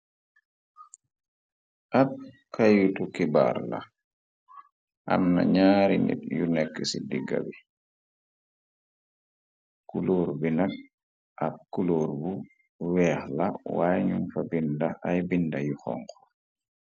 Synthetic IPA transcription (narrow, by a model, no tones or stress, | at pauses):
ʔab̚ | kajutukiba̰ɾla̰ | ʔa̰mna̰ɲaɾinḭt̚junɛkːəsidiɡa̰bi | kuloːɾbinak̚ | ʔab̚kuloːɾbu | wɛːxlawajɲumfabindaʔajbindajuxɔ̰ŋkɔ̥